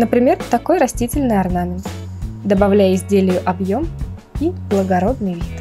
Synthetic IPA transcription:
nəpɾʲɪmʲe̞rt̪ɐko̞jɾɐsʲtʲitʲɪlʲnɨjɐrnamʲɪnt̪ | d̪əbɐvlʲæjɪzʲdʲelʲɪjʊʔɐbjo̞m | iblˠəɡɐɾo̞d̪̚nɨjvʲit̪

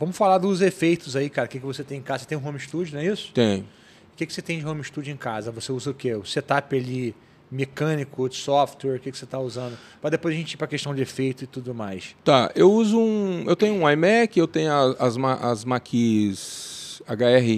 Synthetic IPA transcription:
vɐ̃mʊsfalaɾd̪ʊzefejt̪ʊzaikaɾɐkɪkɪvoset̪ẽj̃ẽkazɐset̪ẽj̃ɦõmiʃt̪ud͡ʒʊnɛisʊ̥t̪ẽj̃ | ʊkekɪ̥set̪ẽj̃d͡ʒɪɦõmiʃt̪ud͡ʒʊẽkazɐvoseuzɐʊkevoset̪apali | mekɐ̃nikʊsɔft̪ɛɾkekɪ̥set̪auzɐ̃nd̪ʊ | pɾɐd̪epojzɐʒẽt͡ʃipɾɐkeʃt̪ɐ̃w̃d͡ʒɪefejt̪ʊɪt̪ud̪ʊmajst̪aewuzʊũewt̪ẽjɲʊũajmɛkɪewt̪ẽɲʊɐɐzmaʔɐ̰zmakʰizaɡaɛɦɪ

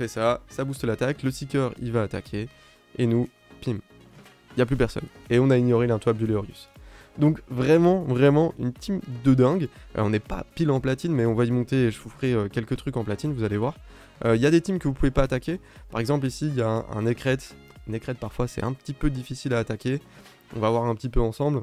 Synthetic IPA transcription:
fɛsasabust̪əlat̪akləst̪ikʲœʁivaːt̪a̰kʲʰe | enu | pim | iljaplypɛʁsɔ̰neɔ̃naiɲjɔʁelɛ̃t̪wabd̪yleɔʁjy̰sd̪ɔ̃kvʁɛmɑ̃vʁɛmɑ̃ynt̪imd̪əd̪ɛ̃ɡ̰ɔ̃nɛpa̰pilɑ̃plat̪inmɛɔ̃vaimɔ̃t̪eeʒəvufχɛøkʲɛlkʲət̪χykɑ̃plat̪invuzalevwaʁ | øiljad̪et̪imkəvupuvepaːt̪akʲe | paʁɛɡzɑ̃plisiljaɛ̃ʔɛ̰̃nekχɛt̪ | ɛ̃nekχɛt̪̚paʁfwasɛ̰ɛ̃pə̥t̪ipød̪ifisilaːt̪akʲe | ɔ̰̃vavwaʁɛ̃pət̪ipøɑ̃sɑ̃bl

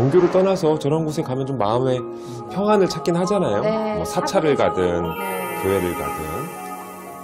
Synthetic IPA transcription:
oŋɡjoɾot͈ʌnasʰʌt͡ɕʌɾʌnɡos̬ʰe̞kamjʌnt͡ɕomːaɯme̞ | pʰjʌŋɦwanɯɭt͡ɕʰak͈inɦad͡ʑanajomʌsʰat͡ɕʰaɾɯɭkadɯnkɯeɾɯɭka̰dɯ̰n

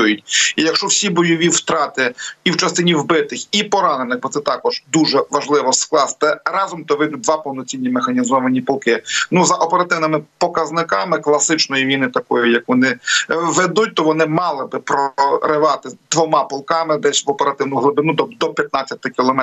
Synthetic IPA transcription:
ujʊt̚ʲijɐkʃt͡ʃɔwsʲibɔjɔʋʲiwt̪ɾɑt̪ɪiwt͡ʃɐst̪ɪnʲiwbɪt̪ɪxipɔɾɑnenɪxbɔt̪sɛt̪ɑkɔʒ̥d̪uʒɛʋɐʒlˠɪʋɔsklˠɑst̪ɛɾɑzɔmt̪ɔʋɪjd̪ʊt̚ʲd̪ʋɑpɔwnɔt͡sʲinʲːimexɐnʲizɔʋɐnʲipɔlˠkɪnuzɐʔɔpeɾɐt̪ɪwnɪmɪpɔkɐznɪkɑmɪklˠɐsɪt͡ʃnɔjiʋʲinɪt̪ɐkɔjʊjɐkʋɔnɪʋɛd̪ut̚ʲt̪ɔʋɔnɪmɑlˠɪbɪpɾɔɾɪʋɑt̪ɪd̪̥ʋɔmɑpɔlˠkɑmɪd̪ɛsʲʋɔpeɾɐt̪ɪwnʊɦlˠʊb̪ɪnud̪ɔd̪ɔpʲjɐt̪̚nat͡sʲːɐt̪ɪkʲilˠɔmɛ

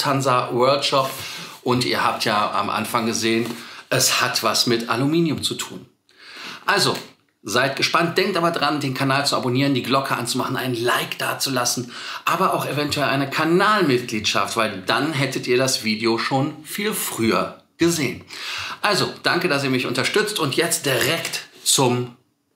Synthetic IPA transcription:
tʰanzavɛɐlkʃɔpʔʊntʔḭːɐhaːp̚tʰjaːʔa̰mʔa̰nfaŋɡəzeːənʔɛshatv̥asmɪtʔa̰lumiːnjʊmt͡sutʰṵːn | ʔalzo | zaɪtɡ̥əʃpant̚d̥ɛŋk̚tʔaːbɐdaʁandeːnkʰanaːlt͡sua̰boniːʁ̞əndiːɡlɔkʰəʔa̰nt͡sumaχn̩ʔa̰ɪnənlaɪkd̥aːɐt͡sulasn̩ʔaːbɐaʊxevɛntʰuɛlʔa̰ɪnəkʰanaːlmɪt̚ɡ̥liːtʃa̰ftv̥aɪldanɦɛtətʔiːɐɾasv̥iːdeoʃoːnfiːlfʁ̥yːɐ | ɡ̥əzeːənʔalzod̥aŋkədas̬iːɐmɪçʔʊ̰ntɐʃtʏt͡stʊntjɛt͡st̚d̥iʁɛktt͡sʊm

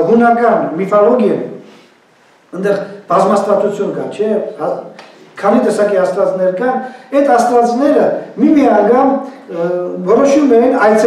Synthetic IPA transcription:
ɦunɑkɑnmifɔlɔɡjɛj̰ | ənd̪ɛχb̥ɑzmɑst̪vɑt͡sut͡sʰjunkɑ̰t͡ʃʰɛhɑkʰɑnit̪ɛsɑkihɑst̪vɑt͡snɛɾkɑnɛt̪ɑst̪vɑt͡snɛɾəmimiɑnɑɡɑn | vɔɾɔʃumɛjinɑjt͡sʰ

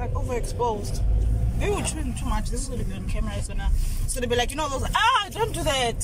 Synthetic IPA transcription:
aɪkovəɛkspoʊzdðewilt͡ʃʰuɪ̃ntʰumat͡ʃðɪsizɡɔ̃dɛbiɔ̃nkʰɛmɛɹaɪzɡɔnasoðebilaɪkjnoʊðozaadõʊ̃nd̥uðæt

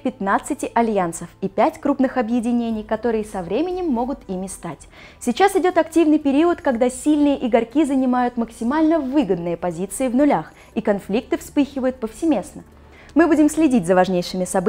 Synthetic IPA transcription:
pʲɪt̪nat̪sɨtʲɪʔɐlʲjansəfipʲætʲkɾupnɨxɐbjɪdʲɪnʲenʲɪjkɐt̪o̞ɾɨjəsɐvɾʲemʲɪnʲɪmːo̞ɡʊt̪imʲɪst̪atʲ | sʲɪt͡ɕasɪdʲo̞t̪ɐktʲivnɨjpʲɪɾʲiʊt̪kɐɡd̪asʲilʲnɨjəʔɪɡɐrkʲizənʲɪmajʊt̪məksʲɪmalʲnəvɨɡəd̪nɨjəpɐzʲit̪sɨɪvnʊlʲax | ikɐnflʲik̚t̪ɨfspɨxʲɪvəjʊt̪̚pəfsʲɪmʲe̞snə | mɨbudʲɪmsʲlʲɪdʲitʲzəvɐʐnʲejʂɨmʲɪsɐb

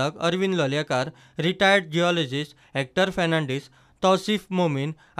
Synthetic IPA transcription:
əkə̰ɾʋinlɔljakaɾ | ɾiʈajəɾɽ̚d͡ʑiɔled͡ʑis | ɛk̚ʈəɾfɛnãɳɖis | t̪ɔsifmomin

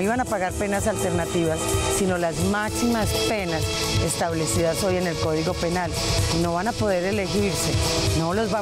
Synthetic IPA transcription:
iβanapaɣaɾpe̞nasalt̪e̞ɾnat̪iβasːino̞lazmaksimaspe̞nas | e̞st̪aβle̞siðaso̞je̞ne̞lko̞ðiɣo̞pe̞nal | ino̞βanapo̞ðe̞ɾe̞le̞xiɾse̞no̞lozβa

